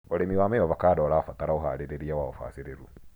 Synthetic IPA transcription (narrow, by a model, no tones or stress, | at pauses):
ɔɾemiwaːmɛjɔβakaːdɔɾafataɾaoɦa̰ɾeɾeɾiawaɔfa̰ːsiɾeɾu